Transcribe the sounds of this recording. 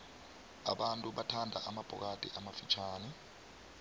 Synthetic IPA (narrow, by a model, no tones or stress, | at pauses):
a̰ɓantʼuɓatʰandʱa̰ʔamab̥ʱɔ̰k̬ʼad̥ʱḭʔamafit͡ʃʰaːnɛ